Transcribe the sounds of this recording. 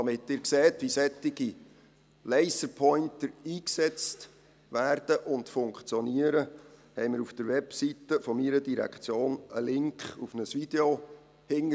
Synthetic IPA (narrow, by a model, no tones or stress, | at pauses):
d̥ɑmɪtːɪːɾkseːtʋisɛtːɪɡ̥i | lɛɪsəɾpʰɔʏntəiːksɛt͡st | ʋæːrd̥əʔʊndfʊŋkχt͡sjɔniəɾəhɛɪmɪɾufd̥əɾʋɛpsitəfɔmiɾədiɾæ̰kχt͡sjoːnəlɪŋkχufnəsvid̥eo | hɪŋə